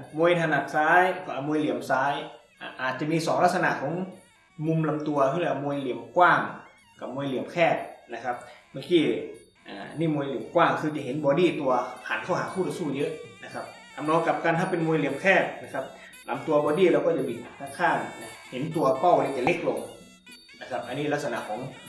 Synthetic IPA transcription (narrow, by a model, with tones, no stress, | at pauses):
mu˧jt̪ʰaː˧na˧˩t̪̚saː˨˦˥jkɔː˧˩ʔa˨˧mu˧jli˨˦əmsaː˨˦˥j | ʔaː˧ʔaː˨˩t̪̚t͡ɕa˨˧˨miː˧sɔː˨˦ŋla˧˥sa˧a̰˧˨ʔkʰɔː˨˦ŋ | mu˧mla˨˧˦mt̪u˧ɐkʰɯ˧˥˧lɛː˧˩ʔa˨˧mu˧jli˨˩˦əmkwaː˥˩ŋ | ka˨˧˩p̚mu˧jli˨˩˦əmkʰɛː˧˥˩t̪̚na˧˩kʰa˦˥p̚maː˧˩kiː˧˩ | ʔa̰ː˨˩niː˧˥˩mu˧jli˨˩əmkwaː˥˩ŋkʰɯː˧t͡ɕa˨˩ɦe˨˦nbɔː˧˦diː˧˥˩t̪u˧ɐhʰaː˨˦nkʰa˧˩wɦaː˨˦kʰuː˥˩t̪ɔ˧˥suː˧˩jɤ˦˥ʔna˧kʰa˦˥p̚ | ka˨˧˦mnɔː˧ka˨˦˩p̚kaː˧nhʰaː˧˥˩pe˧nmu˧jli˨˩˦əmkʰɛː˥˩t̪̚na˧˩kʰa˦˧˥p̚ | la̰˨˦mt̪u˧ɐbɔː˧˦diː˧˩˨ɾɛ˧wkɔː˥˩a˨˧˩biː˨˩t̪̚na˨˩p̚tʰa˧˥˩kʰaː˧˥˩nna˧he˨˦nt̪u˧ɐpa˥˩wniː˧˩t͡ɕa˨˧˩le˦˥k̚lo˧ŋ | na˧˩kʰa˦˥p̚ʔa˧niː˥la˦t̪̚sa˧na̰˧˨ʔkʰɔː˨˩˦ŋ